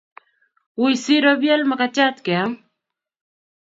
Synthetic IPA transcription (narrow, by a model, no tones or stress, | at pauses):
ʊjsiɾobjalmakat͡ʃat̪̚kea